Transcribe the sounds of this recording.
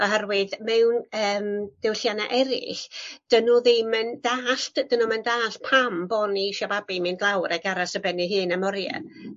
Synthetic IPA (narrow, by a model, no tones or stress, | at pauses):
ɔɦɛrwɪðmɛwnəːmd̥ɛwɬjana̰ʔɛɾɪ̰ɬd̥ənuðemənd̥aːɬtd̥ənumɛndaːɬpʰambɔniʃababimɨndlˠawɾɛɡaɾasəbɛniɦɨːnamɔɾja̰